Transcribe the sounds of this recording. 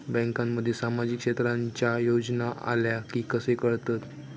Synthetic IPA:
bɛ̃ŋkamːəd̪ʱːjesamad͡ʑiːkɕet̪ɾãɲt͡ɕjajod͡ʑnaʔa̰ljakiːkəsekəɽt̪at̪

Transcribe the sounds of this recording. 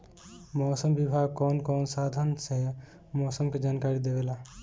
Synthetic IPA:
mɔːsəmbɪbʱaːɡ̚kɔːnkɔːnsaːd̪ʱənsɛ | mɔːsəmked͡ʒaːnkaːɾid̪eʋelaː

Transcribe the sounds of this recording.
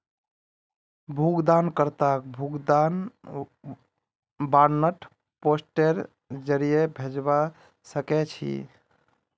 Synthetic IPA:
bʱuɡd̪ankəɾt̪ak̚bʱuɡd̪an | baɾnəʈʰ | posʈeɾ | d͡ʒəɾijebʱed͡ʒba | səkɛt͡ʃʰḭ

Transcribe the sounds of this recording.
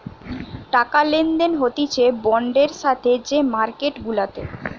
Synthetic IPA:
ʈakalend̪enɦot̪it͡ɕʰebɔɳɖeɾʃat̪ʰed͡ʑemaɾkeʈɡulat̪e

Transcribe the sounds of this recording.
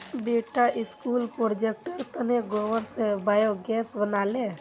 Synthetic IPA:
beːʈaʔɪskuːlpɾoɾd͡ʒek̚ʈəɾt̪əneɡɔʋəɾsebaːjoɡɛːsbənaːle

